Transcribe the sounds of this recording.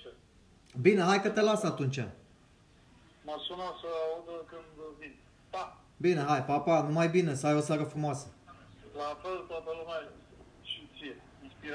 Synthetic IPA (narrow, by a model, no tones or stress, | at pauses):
bineɦajkət̪elasat̪unt͡ʃa̰ | masunasəaud̪əkɨnd̪vin | t̪a | bineɦajpapanumajbinesəajo̞saɾəfɾumoasə | lafelt̪at̪əlumʲa | ʃisie | inspiɾ